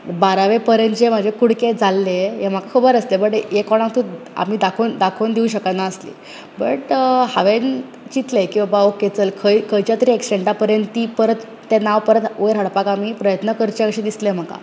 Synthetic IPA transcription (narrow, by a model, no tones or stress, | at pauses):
baɾaʋepəɾənt͡ɕem̤əd͡ʑʱekuɽked͡zalːejem̤akakʰəbəɾəslebəʈjekɔɽ̃ãŋt̪u | a̰m̤iːd̪akʰoːnd̪akʰoːnd̪iũɕ̬əkət̪naəslḭ | bəʈhaʋen | t͡ɕit̪lekĩʋabaoket͡səlkʰəjkʰəjt͡ɕjat̪əɾiːeksʈeɳʈapəɾjənt̪t̪iːpəɾət̪ːenaʋpəɾət̪oɾɦəɽpakamiːpɾəjət̪nəkəɾt͡ɕeakɕẽd̪islem̤aka̰